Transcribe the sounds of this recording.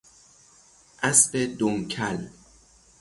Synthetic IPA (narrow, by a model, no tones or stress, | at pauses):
ʔæsbed̪omkʰæl